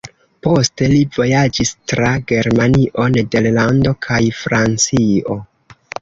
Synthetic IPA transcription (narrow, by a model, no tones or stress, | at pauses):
po̞ste̞livo̞jad͡ʒistɾaɡe̞ɾmaniʔo̞ne̞de̞ɾlando̞kʰajfɾant͡sio̞